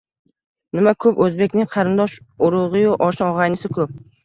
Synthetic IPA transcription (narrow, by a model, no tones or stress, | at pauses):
nɪmakʰɵpɵzbe̞kʲnɪŋqʰɑɾɪnd̪ɒʃʊɾʊʁɨjʊʔɒʃɒʁɑjnɪsɪkʰɵp̚